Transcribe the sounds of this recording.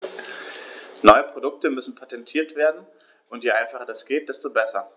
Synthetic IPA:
nɔʏəpʁ̥odʊk̚təmʏsn̩pʰatɛntʰiːɐtv̥eːɐdn̩ | ʔʊntjeːʔaɪnfaχədasɡ̥eːt̚d̥ɛstoːbɛsɐ

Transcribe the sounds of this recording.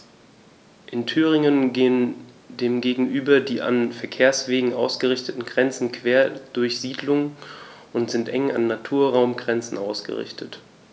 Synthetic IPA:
ʔɪntʰyːʁ̞ɪŋənɡeːən | deːmɡeːɡŋ̩ʔyːbɐdiːʔa̰nfɛɐkʰeːɐsv̥eːɡŋ̩ʔaʊsɡ̥əʁɪçtətn̩ɡʁɛnt͡sn̩kv̥eːɐd̥ʊɐçz̥iːdlʊŋə | ʊntz̥ɪntʔɛŋa̰nːatʰuːɐʁaʊmɡʁɛnt͡sn̩ʔaʊsɡ̥ə̰ʁɪ̰çtʰət

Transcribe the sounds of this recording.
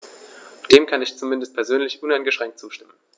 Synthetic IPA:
d̥eːmkʰanɪçt͡sumɪndəst̚pʰɛɐzøːnlɪçʔʊnaɪnɡəʃʁ̥ɛŋktt͡suːʃtɪmən

